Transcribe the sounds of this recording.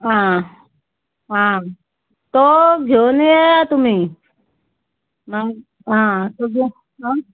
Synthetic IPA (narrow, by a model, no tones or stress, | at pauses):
ɦã | ɦã | t̪oɡʱjonejejat̪um̤iː | ma | ɦãt̪oɡʱo | ɦã